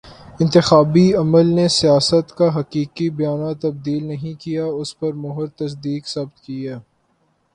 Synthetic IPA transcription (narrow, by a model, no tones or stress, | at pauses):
ɪ̃nt̪ɪxaːbiɐməlnesijaːsət̪kaɦɐqiːkibɐjaːnat̪ːɐb̚d̪iːlnɐɦĩkijaʊspɐɾmʊɦʊɾt̪ɐs̬d̪iːksɐbt̪kiaː